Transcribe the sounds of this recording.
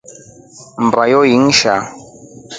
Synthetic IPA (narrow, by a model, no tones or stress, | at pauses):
m̩bajɔjiŋ̩ʃa